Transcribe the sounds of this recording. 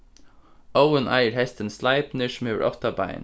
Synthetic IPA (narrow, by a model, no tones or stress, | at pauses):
oʊənʔæ̰ɪəɹhɛst̪ənslɑɪpnɪʃmʉə̰ɹʔɔ̰ft̪ɑbɑɪ̰n